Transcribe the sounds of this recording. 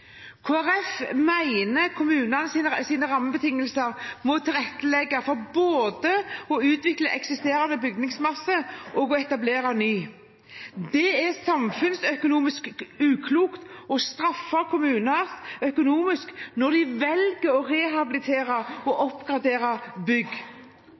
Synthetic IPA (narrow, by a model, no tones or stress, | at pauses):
kʰoːæɾɛfmæɪnəkʰʊmʉːnɑnəsinsiːnəɾɑmːəbət̪ɪŋːəlsəɾmɔt̪ʰɪlʁɛt̪ːəlɛɡːɑfɔʁboːd̪əɔʉːt̪ʋɪkləʔɛksɪst̪eːɾɑnəbʏɡ̚d̪ɪŋsmɑsːəʔɔɡɔɛt̪ɑbleːɾɑnyː | d̪ɛɛsɑmfʉnsœkʊnuːmɪskʉːkʰluːkt̪ɔst̪ɾɑfːɑkʰʊmʉːnəsœkʊnuːmɪsknɔʁd̪ɪʋɛlɡəɾɔʁɛɦɑbɪlɪt̪ʰeːɾɑɔʔɔpɡɾɑd̪eːɾɑbʏɡː